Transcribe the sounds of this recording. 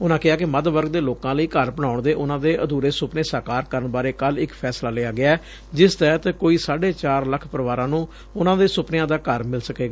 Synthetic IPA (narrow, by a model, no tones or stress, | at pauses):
ʊnãːkɪaːkɪməd̪ʋəɾɡd̪eːloːkãːləiːkəɾpəɳaːʊɳd̪eːʔʊnãːd̪eːʔəd̪uːɾeːsʊpneːsaːkaːɾkəɾəɳbaːɾeːkəlɪkpʰɛːslaːlɪaːɡɪaɛː | d͡ʒɪst̪ɛːt̪əkoːiːsaːɖeːt͡ʃaːɾləkʰpəɾəʋaːɾãːnũː | ʊnãːd̪eːsʊpnɪjãːd̪aːkəɾmɪlsəkeːɡaː